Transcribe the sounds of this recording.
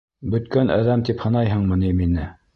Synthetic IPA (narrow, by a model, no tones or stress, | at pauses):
bɵ̆t̪kænʔæ̰ðæmt̪iphɤ̆nɑjɦɤɴmɤ̆niminɘ